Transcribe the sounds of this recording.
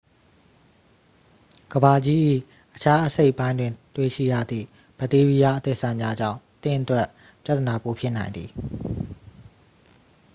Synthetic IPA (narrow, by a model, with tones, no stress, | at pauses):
ɡ̥əba˨d͡ʑi˦ʔḭ˦˨ | ʔət͡ɕʰa˦ʔəse˦ɪʔpːã˦ɪ̃ndwɪ̃˨nt̪we˦˨ʃḭ˦˨ja̰˦˨d̪ðḭ˦˨ | b̥ə˦˨te˦ɹi˦ja˦ʔət̪ḛ˦˨sã˨mja˦d͡ʑã̰˦˨ʊ̃t̪ɪ̃˦˨ʔət̪wɛ˦ʔ | pja˦t̪ːəna˨po˨pʰjɪ˦ʔnã˨ɪ̃nd̪ði˨